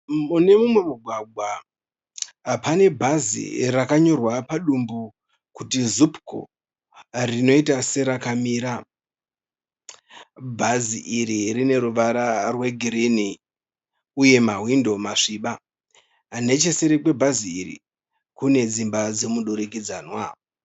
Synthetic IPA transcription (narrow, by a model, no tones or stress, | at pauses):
mune̞mumwe̞muɡʱwaɡʱwa | pane̞bʱazḭrakaɲo̞rwapaɗumbu | kutizupko̰ | rino̞itase̞ɾakamiːɾa | bʱaziʔiɾiɾine̞ɾuʋaɾarwe̞ɡʱiɾini | uje̞maɦwindo̞maʂiɓa | ane̞t͡ʃe̞seɾekwe̞bʱaziːɾḭ | kune̞d͡zimbad͡ze̞muɗuɾikid͡zaːnwa